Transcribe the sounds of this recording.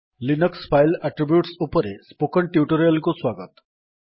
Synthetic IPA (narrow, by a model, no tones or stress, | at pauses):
linəkspʰajlaʈɾibjuʈsupɔɾespokəɳʈiuʈoɾijəlkoswaɡət̪